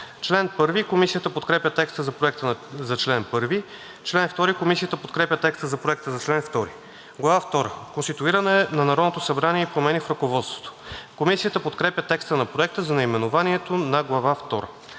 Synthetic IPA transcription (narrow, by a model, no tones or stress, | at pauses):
t͡ʃlɛnpɤɾvikomisijət̪əpot̪kɾɛpʲət̪ɛkst̪əzɐpɾoɛk̚t̪əzɐt͡ʃlɛnpɤɾvi | t͡ʃlɛnft̪ɔɾikomisijət̪əpot̪̚kɾɛpʲət̪ɛkst̪əzɐpɾoɛk̚t̪əzɐt͡ʃlɛnft̪ɔɾi | ɡlˠɐvaft̪ɔɾəkonst̪it̪uiɾənɛnɐnɐɾɔd̪not̪osɐbɾaniɛipɾomɛnifɾɐkovɔt̪st̪vo̥t̪o̥komisiət̪əpot̪kɾɛpʲjət̪ɛkst̪ənɐpɾoɛk̚t̪əzɐnɐimɛnʊvaniɛt̪onɐɡlˠɐvaft̪ɔɾə̰